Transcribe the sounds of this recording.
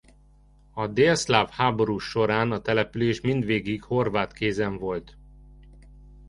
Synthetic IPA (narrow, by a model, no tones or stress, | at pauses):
ɒd̪eːslaːfhaːbo̞ɾuːʃo̞ɾaːnɒt̪ɛlɛpyleːʃmind̪ʋeːɡikho̞rvaːt̪keːzɛɱvo̞lt̪